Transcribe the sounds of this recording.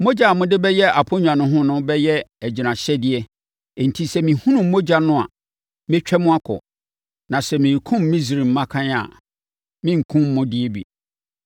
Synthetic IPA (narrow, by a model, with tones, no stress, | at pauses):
mo˦d͡ʑa˨mʊ̃˦dɪ˦bɛ˦jɛ˦a˨pʰo˦ɲᶣ˨ã˨nʊ̃˦ɦʊ̃˦nʊ̃˦bɛ˦jɛ˦æ˨d͡ʑi˨nã˨ɕɛ˦dɪ˨ɛ˦˨ | n̩˨tʰi˦sɛ˦mĩ˨hũ˦nũ˨m˦mo˦d͡ʑa˨nʊ̃˦a̰˨ | mɪ̃˦t͡ɕᶣɛ˦mʊ̃˦a˦kʰʊ̰˨ | nã˨sɛ˨mĩ˨kʰʊ̃˦mːĩ˦s̬ɾi˨m̩˨˦mã˦kʰã˦ɲa̰˨ | mɪ̃˦ŋ̩˨kʰũ˦m̩ː˦ʊ̃˦dɪ˦e˦bḭ˨